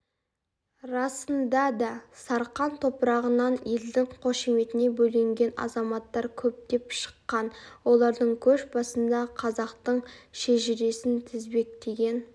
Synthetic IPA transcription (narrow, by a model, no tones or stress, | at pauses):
ɾɑsənd̪ɑd̪ɑsɑɾqɑnt̪ʰo̞pəɾɑʁənɑnje̞ld̪ɪŋqʰo̞ʃeme̞t̪ɪne̞bɵleŋɡʲe̞nɑ̰zɑmɑt̪ːɑɾkʲʰɵp̚d̪e̞pʃə̥qːɑnwo̞lˠɑɾd̪əɴkʲʰɵʃbɑsənd̪ɑqʰɑzɑqt̪əɴʃeʒɪɾe̞sɪnt̪ʰɪzbe̞k̚t̪e̞ɡʲe̞n